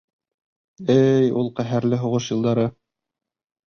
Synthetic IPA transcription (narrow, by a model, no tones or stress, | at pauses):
ɘjulˠqæɦæɾlɘɦŏʁɤʃjɤ̆lˠd̪ɑɾɤ